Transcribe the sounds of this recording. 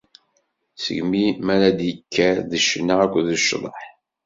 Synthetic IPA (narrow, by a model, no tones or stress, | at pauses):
sə̰ʝmimæɾæd̪jəkʰːæðəʃnːaækʷːðəʃːðˤə̰ħ